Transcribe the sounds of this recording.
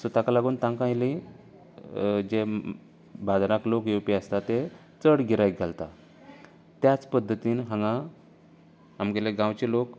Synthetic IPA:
sut̪akalaɡuːnt̪ãŋkãjli | d͡ʑe | bad̪ʱɾaklokjepiəst̪at̪e | t͡səɽɡiɾajɡʱalt̪a | t̪jat͡spəd̪ʱːət̪iːnɦãŋɡã | ɦamɡeleɡãwt͡ɕelok

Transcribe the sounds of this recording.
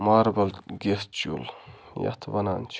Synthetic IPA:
maːɾbɐlɡʲest͡ʃṵl | ja̰t̪ʰvɐnaːnt͡ʃʰ

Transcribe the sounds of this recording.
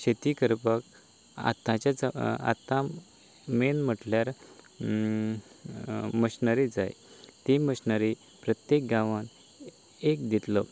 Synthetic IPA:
ɕet̪ikəɾpək | a̰t̪ãt͡ɕat͡sa̰t̪ã | menm̤əʈljaɾ | məɕnəɾid͡za̰jt̪iməɕnəɾi | pɾət̪jek̚ɡãʋan | ek̚d̪it̪lə

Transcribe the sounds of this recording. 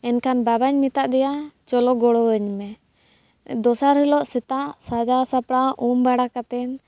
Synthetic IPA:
ɛnkanbabaɲmit̪aʔd̪ɛjat͡ʃɔlɔɡɔɽɔəɲmɛ | d̪ɔsaɾɦɛlɔʔsɛt̪aʔsad͡ʒasapɽaumbaɽakat̪ɛn

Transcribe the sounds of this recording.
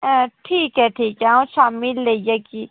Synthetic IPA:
ʈʰiːkɦɛʈʰiːkɦɛõʃaːmɪlːeijeki

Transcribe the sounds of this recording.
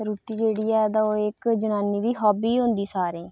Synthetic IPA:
ɾuːʈiːd͡ʒeːɽiːɛːd̪aːoːɪkd͡ʒənaːniːd̪iːɦɔːbiːɦʊ̃nd̪iːsaːɾeː

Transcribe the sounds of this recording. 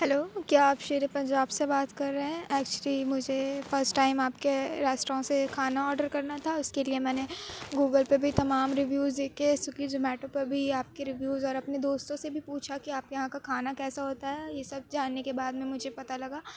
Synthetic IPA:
ɦɛloːkjaːaːpʃeːɾepɐ̃ɲd͡ʒaːbsebaːt̪kɐɾːeɦɛ̃ʔɛːk̚t͡ʃəlimʊd͡ʒʱefɐɾsʈːaːɪmaːpkeɾaːsʈɾõsekʰaːnaɔːɾɖəɾkɐɾnat̪ʰaʊskeliemɛːneɡuːɡəlpɐbʱit̪ɐmaːmɾɪʋjuːzd̪eːkʰesʊkid͡ʒomɛːʈõpɐɾbʱiaːp̚keɾɪʋjuːzɔːɾɐpned̪oːst̪õsebʱipuːt͡ʃʰakiaːpjɐɦãkakʰaːnakɛːsaɦoːt̪aɦɛːjesɐb̚d͡ʒaːnːekebaːd̪mẽmʊd͡ʒʱepɐt̪alɐɡaː

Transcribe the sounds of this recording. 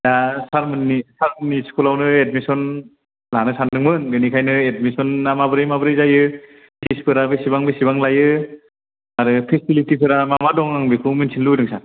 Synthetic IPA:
jasaɾmɯnisaɾmɯniskulawnɯed̚misɔn | lanɯsanɯŋmɯnbenikʰajnɯed̚misɔnamabɯɾɯjmabɯɾɯjzajɯ | sispʰɯɾabesiβaŋbesiβaŋlajɯ | aɾɯpʰesilitipʰɯɾamamadɔŋaŋbekʰɯminsʰinludɯŋsa

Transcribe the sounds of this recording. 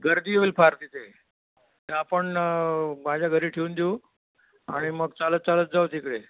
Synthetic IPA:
ɡʱəɾd̪iːoilpʰaɾt̪it̪e | t̪eapəɳ | mad͡ʑʱjaɡʱəɾiːʈʰeund̪eu | a̰ɽ̃iməɡt͡salət̪̚t͡salət̪̚d͡zawt̪ʰikɽe

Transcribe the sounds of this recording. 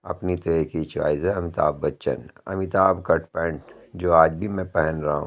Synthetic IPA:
ɐ̰pnit̪oeːkit͡ʃʋa̰ːɪzɛɐmɪt̪a̰ːbːɐtːʃə̰nɐ̰mɪt̪aːbkɐʈpɛ̃ːɳʈd͡ʒoːaːd͡ʒbʱimɛ̃pɛɦɛnɾɐɦṵ̃

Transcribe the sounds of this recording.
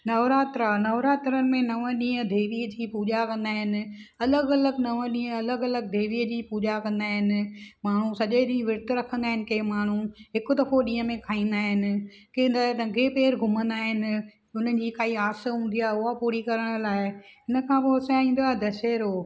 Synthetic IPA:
nɐʋɾaːt̪ɾanɐʋɾaːt̪ɾənɪ̆mẽnɐʋə̃ɗĩːə̃d̪eːʋiːət̪ʰiːpuːd͡ʑakɐ̃nd̪aːɦɪnɪ̆ | ɐləɡɐləɡnɐʋə̃ɗĩːə̃ɐləɡɐləɡ̚d̪ʱeːʋiːəd͡ʑiːpuːd͡ʑakɐ̃nd̪aːɦɪnɪ̆maːɳ̤usɐʄeɗĩːə̃ʋɪɾt̪ɾɐkʰə̃nd̪aːɪ̃nɪkeːmaːɳ̤uɦɪkʊd̪ɐfoɗĩːə̃mẽkʰaːĩːn̆d̪aːɦɪnɪ̆kennɐɡʱepeːɾɡʱʊmə̃nd̪aːɦɪnɪ̆ | ʊn̤ən̆d͡ʑiːkaːiaːsə̆ɦũːnd̪ijaːɦʊɦapuːɾikɐɾəɽ̃ə̆laːɪɦɪnə̆kʰãːpoɐsaĩːn̆d̪oaːɦed̪ɐʃeːɾoː

